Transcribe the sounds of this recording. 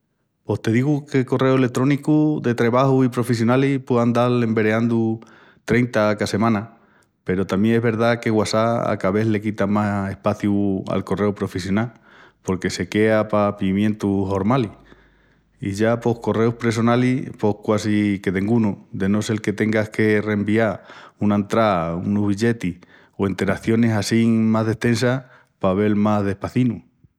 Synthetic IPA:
po̞ht̪e̞ðiɣuke̞ko̞re̞oe̞lek̚t̪ɾo̞nikuðe̞t̪ɾe̞β̞ahuipɾo̞fes̬jo̞nalipweand̪ale̞mbe̞ɾeand̪u | t̪ɾe̞jnt̪akase̞mãna | pe̞ɾo̞t̪amjeŋe̞ɦβe̞ɾðake̞ɣwasaa̰kaβe̞θle̞kit̪amase̞hpaθjua̰lko̞re̞upɾo̞fesjo̞nal | po̞ɾke̞se̞ke̞apapimjẽ̞nt̪uɦo̞ɾmali | iʝapo̞hko̞re̞uhpɾe̞s̬o̞nalipo̞hkwasike̞t̪e̞ŋɡunud̪e̞nose̞lke̞t̪e̞ŋɡahke̞re̞mbiaunaent̪ɾaunoɦβiʎe̞t̪ih | oent̪e̞ɾaθjo̞ne̞sasiŋmazðe̞ht̪e̞nsa | paβe̞lmazðe̞hpaθinu

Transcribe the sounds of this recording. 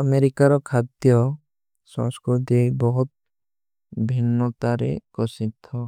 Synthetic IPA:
əmeɾikaɾɔkʰat̪jɔ | sã̰skud̪ebɔɦut̪̚ | bʱinːɔt̪aɾḛkɔsit̪ːɔ

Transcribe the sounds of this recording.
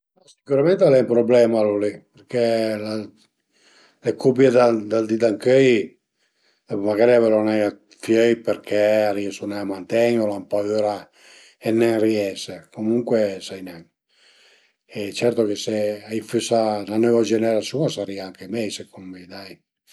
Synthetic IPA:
asikuɾamɛnt̪ealɛumpɾoblɛmalolipeɾkela | lekʰub̬jed̪ad̪ald̪id̪aŋkøj | ɛmaɡaːɾiavɛlonɛja | fjøjpeɾkʰɛaɾiɛsunɛamant̪ɛɲolampaøɾa | ɛnːɛŋriɛsekomuŋkwesajnɛŋ | ɛt͡ʃɛɾt̪okeseajfysananøvad͡ʒɛnɛɾasjuasaɾiaaŋkemɛjsekʰommid̪aj

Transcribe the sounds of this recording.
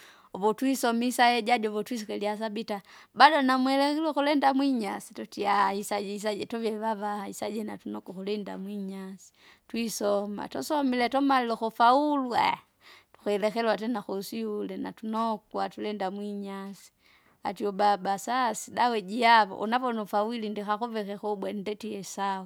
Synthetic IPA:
ɔβɔtwisɔmisajɛɟadɔβɔtwis̬ikɛlias̬abita | badɔnamuɛlɛxilwɛkulɛndamwiɲasitɔtiahisaɟɛis̬aɟɛtɔvɛβaβahaisaɟɛnatunɔkɔkulɛnda̰mwiɲasi̥ | twisɔma̰tɔsɔmilɛtɔmalilɔxɔfaulua̰ | tu̥kuɛlɛxɛlwatɛnaxɔusiulɛna̰tunɔkwatulɛndamwiɲasi̥ | a̰tiɔbabasasidawɛd͡ʒiaβɔ̰ʔṵnavɔnɔfawilindixakuvɛkɛkɔbwɛn̩dɛtiɛsau

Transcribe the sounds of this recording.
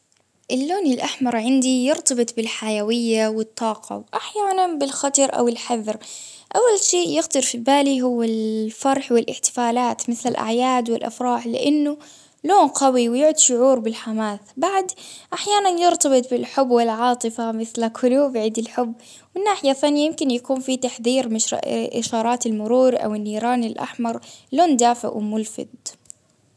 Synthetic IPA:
ʔɪlːoːnɪlʔaħmɑɾˤʕɪnd̪ijɪɾt̪ɑbɨt̪ˤbɪlħajawɪjːawɪt̪ˤːɑːqɑ̰wʔaħjaːnanbɪlxɑt̪ɑɾˤʔa̰wɪlħaðɾ | ʔawːalʃeːʔjɪxd̪ɑɾfibaːliɦʊwːalfɑɾˤħwɪlʔɪħt̪ɪ̥faːlaːt̪mɪθlalʔa̰ʕjaːd̪wɪlʔa̰fɾˤɑːħlɪ̰ʔɪnːʊ | loːnqawiwjʊʕʊd̪ʃʊʕuːɾbɪlħamaːθbaʕd̪ʔaħjaːnanjɪɾt̪ɑbɨt̪ˤbɪlħʊbːwɪlʕɑːt̪ˤɨfamɪθlakʰʊluːbʕiːd̪ɪlħʊbː | wɪnːaːħɪjaθanjajɪmkɪnjakuːnfit̪aħðiːɾmɪ̰ʔɪʃɑːɾˤɑːt̪ɪlmʊɾuːɾʔa̰wɪnːiːɾɑːnɪlʔa̰ħmɑɾˤloːnd̪aːfɪ̰ʔwɪmʊlfɪ̰d̪

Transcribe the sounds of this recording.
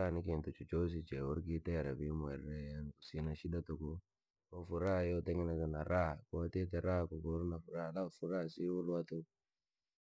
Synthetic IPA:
anikintut͡ʃut͡ʃos̬it͡ʃewuɾkiteɾabimuɛɾːejankusinaʃidatuku | ofuɾajoteŋinakanaɾakotet̬eɾakuɡoɾnafuɾalafuɾasiwulwato

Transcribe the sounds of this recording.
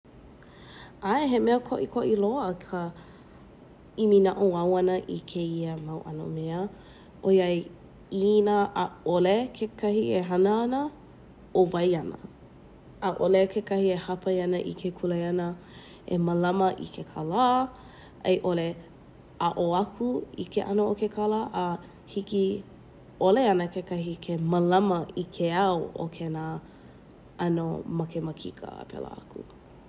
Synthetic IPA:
aeɦemeəkʰoʔikʰoʔilokʰə | iminaʔoɐwɐnəʔikʰeiəmɐwʔɐ̰no̰meə | ʔojaj | inaʔːolekʰekʰɐhieɦɐnəɐnə | ovɐjɐnə̰ː | ʔolekʰekʰɐhiehɐpɐjɐnəʔḭkʰekʰulejɐnə | ʔḛməlɐməʔḭkʰekʰalaː | ḛjʔole | aʔoɐkʰuḭkʰḛʔɐnookekʰɐlaʔː | hiki | oleɐnəkekɐhikʰeməlɐmɐikʰeawo̰kʰenaː | ɐno̰mɐkemɐkʰikʰə̰pʰɛ̰la̰ɐ̰kṵ

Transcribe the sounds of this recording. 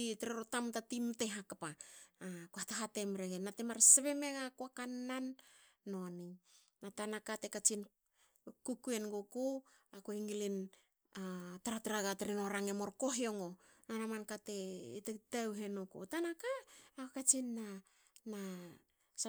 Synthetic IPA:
iteɾeɾotamtatimte̞ɦakapa | koataɦate̞mɾeɡenatemaɾseβeme̞ɡakoakanːanː | o̞ni | natanakate̞kat͡ʃin | kukue̞nɡoku | akoiŋilin | ataɾatɾaɡateɾenoɾaŋemo̞ɾko̞ɦeoŋonanamankate̞itetawɦe̞nokṵtanakaːkokat͡ʃinːa | na | s

